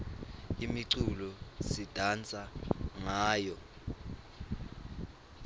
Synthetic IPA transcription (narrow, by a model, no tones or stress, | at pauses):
imiǀulɔsid̥ʱant͡sʼaŋaːjɔ